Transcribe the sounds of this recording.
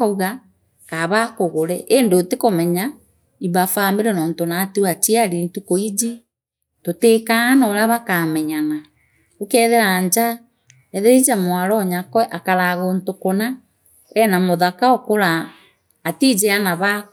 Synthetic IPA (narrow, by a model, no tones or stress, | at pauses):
ɔɣa | kaβakoɣoɾɛʔendotekomɛɲa | iβafameɾɛnɔːntonatuwatiaɾintukoid͡ʒi | totekanɔːɾaβakamɛɲana | okɛðeɾaɲd͡ʒa | ɛðeɾid͡ʒamwaɾɔɲakwɛʔakaɾaɣontokona | ɛnamoðakaokoɾaː | tid͡ʒeanaβa